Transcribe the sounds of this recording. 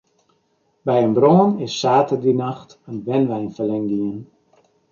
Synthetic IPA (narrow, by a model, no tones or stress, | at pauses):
bɛjənbroːnɪsːaːtərdinaxtənʋɛnʋɛjnfəlɛŋɡiən